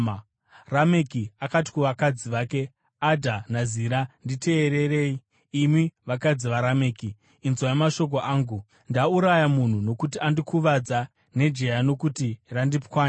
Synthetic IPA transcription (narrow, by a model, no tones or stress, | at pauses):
rame̞kiakati̥kuʋakad͡ziʋaːke̞ | adʱanaziɾandite̞ːɾe̞reiː | miʋakad͡ziʋaɾame̞ːki | inzwajemaʃo̞k̬oʔaːŋɡu | ndauɾajamun̤uno̞kutiandikuʋad͡za | ne̞d͡ʒe̞jano̞kutirandipkwaːn